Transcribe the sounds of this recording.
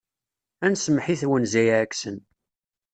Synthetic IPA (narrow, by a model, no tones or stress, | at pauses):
ænsəmħiθwənzæjækːsən